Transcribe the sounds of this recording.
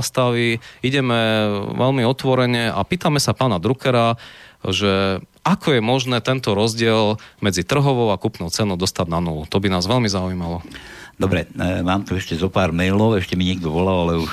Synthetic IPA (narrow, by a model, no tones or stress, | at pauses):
st̪aʋiiɟɛmɛʋɛlmiɔt̪ʋɔɾɛɲɛa̰piːt̪amɛsapaːnad̪ɾukɛɾaʒɛʔakʰɔjɛmɔʒnɛːt̪ɛnt̪ɔɾɔzɟɪɛlmɛd͡zit̪r̩ɦɔʋɔʊakupnɔʊt͡sɛnɔʊd̪ɔst̪ad̪nanulut̪ɔbinaːzʋɛlmizaujimalɔd̪ɔbɾɛmaːmt̪uɛʃcɛzɔpaːɾmɛlɔʊɛʃcɛmiɲɪɛɡ̚d̪ɔʋɔlalalɛuʃ